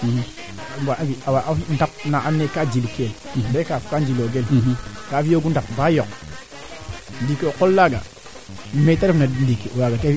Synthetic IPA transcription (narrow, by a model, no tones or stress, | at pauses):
baʔaviawaʔafindap̚naʔamnːekad͡ʒilkelndekafkand͡ʒiloɡelkaːfijoɡundap̚bajok̚ | ndikiokolːaɡa̰ | metaɾifnandikiʔuwaɡakai